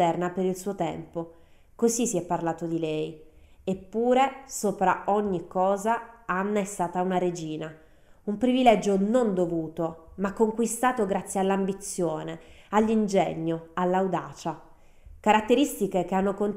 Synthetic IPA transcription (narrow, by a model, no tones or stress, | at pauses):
ɛrnapeɾilsuːot̪ɛ̰mpo | kozisiɛpːarlaːt̪od̪ilɛj | epːuːɾesoːpɾa̰ʔoɲːikːɔːzaanːaɛst̪aːt̪aunaɾed͡ʒiːna | umpɾivilɛd͡ʒonond̪ovuːt̪omakːoŋkwist̪aːt̪oɡɾat̪sːjealːambit̪sːjoːne | alːind͡ʒɛɲːoalːawd̪aːt͡ʃa | kaɾat̪ːeɾist̪ikek̟eanːokont̪